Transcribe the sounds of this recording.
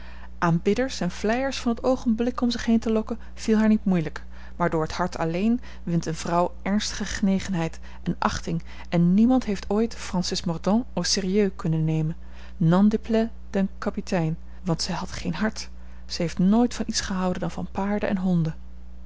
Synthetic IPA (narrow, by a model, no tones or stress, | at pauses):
ʔaːmbɪdəɹsɛnv̥lɛjəɹsfɑnɦətowχənblɪkɔmzɪχɦejntəlɔkən | v̥ilˠɦaːɹnitmujlək | maːɹdʊːɹɦəthɑɹtʰɑlejn | ʋɪntənvrɑwʔɛɹnstə̥χəχənejχənɦɛjt | ɛnʔɑχtɪŋ | ɛnːimɑntɦejftoːjtfrɑnsɪsmɔrdɔ̃osɪːriøɥkɵnənːejmənː | ɑndəplɛ | d̥ɛnkɑpitɛjn | ʋɑntsɛjɦɑtχejnɦɑɹt | sɛɦejftnoːjtfɑnʔitsχəɦɑwdəndɑnvɑ̰npaːɹdə̰ʔɛ̰nɦɔndə